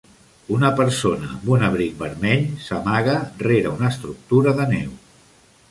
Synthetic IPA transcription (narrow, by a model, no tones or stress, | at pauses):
unəpəɾsonəːmbunəβɾik̚bəɾmɛʎsəmaɣəreɾaunəst̪ɾuk̚t̪uɾəðənɛw